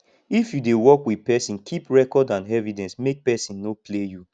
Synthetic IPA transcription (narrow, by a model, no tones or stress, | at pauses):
ifjudewɔkwiðpɛsĩnkʰipɹɛkɔdãnɛvidɛ̃nsmek̚pɛsĩnːopleju